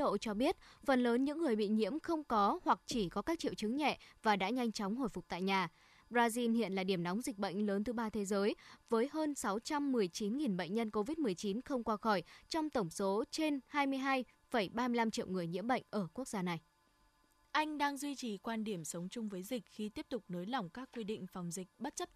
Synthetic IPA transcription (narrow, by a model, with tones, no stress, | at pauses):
ɗo̰˧˨t͡ɕɔ˧ɓi˦˥ət̚fə˨˩nləː˨˦nɲɨ̰˧˥ŋːɨ˨˩əjɓḭ˧˨ɲḭ˧˥əmxə˧wŋ͡mkɔ˨˦hwa˨˩k̚t͡ɕi˧˩kɔ˨˦kaː˦˥k̚t͡ɕḭ˧˨wt͡ɕɨ˨˦ŋɲɛ̰˧˨vaː˨˩ɗa̰ː˧˥ɲa˧jŋ̟t͡ɕɔ˨˦wŋ͡mɦo̰˧˨jfʊ˨˩k͡p̚t̪a̰ː˧˨jɲaː˨˩ | ɓzaː˧zi˧nhḭ˧˨ənlaː˨˩ɗi˧˩əmnɔ˨˦wŋ͡mzï˨˩k̟̚ɓə̰˧˨jŋ̟ləː˨˦nt̪ʰɨ˧ɓaː˧t̪ʰe˨˦zəː˨˦jvəː˨˦jɦəː˧nsa˨˦wt͡ɕa˧mːɨ˨˩əjt͡ɕi˨˦nŋi˨˩nɓə̰˧˨jŋ̟ɲə˧nko˧vi˦˥t̚mɨ˨˩əjt͡ɕi˨˦nxə˧wŋ͡mkwaː˧xɔ˧˩jt͡ɕɔ˧wŋ͡mt̪ə˧˩wŋ͡mso˨˦t͡ɕe˧nhaː˧jmɨ˧əjɦaː˧j | fə˧˩jɓaː˧mɨ˧əla˧mt͡ɕḭ˧˨əwŋɨ˨˩əjɲḭ˧˥əmɓə̰˧˨jŋ̟ʔəː˧˩ku˦˥ək̚zaː˧na˨˩j | ʔa˧jŋ̟ɗaː˧ŋzwi˧t͡ɕi˨˩kwaː˧nɗi˧˩əmsə˨˦wŋ͡mt͡ɕʊ˧ŋ͡mvəː˨˦jzï˨˩k̟̚xi˧t̪i˦˥əp̚t̪ʊ˨˩k͡p̚no˨˦jla˨˩wŋ͡mkaː˦˥kːwi˧ɗḭ˧˨ŋ̟fa˨˩wŋ͡mzï˨˩k̟̚ɓə˦˥t̚t͡ɕə˦˥p̚